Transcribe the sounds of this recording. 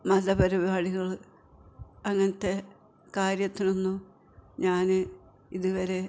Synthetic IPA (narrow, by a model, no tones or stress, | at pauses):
mɐðɐbɐɾibaːɽiɣɐɭ | ɐŋːɐnɐt̪ːe̞ | kaːɾjɐt̪ːinonːu | ɲaːnɨ | iðuʋɐɾe̞